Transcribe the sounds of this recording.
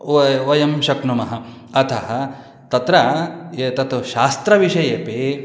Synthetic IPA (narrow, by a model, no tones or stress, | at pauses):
ʋɐjɐmʃɐknumɐɦɐ | ɐt̪ʰɐɦɐ̆ | t̪ɐt̪ɾɐet̪ɐt̪uʃaːst̪ɾɐʋiʃɐjepeː